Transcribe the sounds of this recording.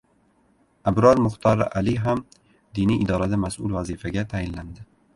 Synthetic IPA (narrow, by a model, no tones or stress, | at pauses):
abɾɒɾmʊχt̪ʰɒɾʔalɪɦam | d̪iniʔɪd̪ɒɾad̪amasʊlvazifaɡʲat̪ʰajɪnland̪ɪ